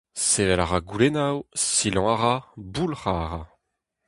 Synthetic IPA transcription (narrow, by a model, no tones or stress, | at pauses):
sevɛlaʁaɡulenawsilɑ̃aʁabulʁaʁa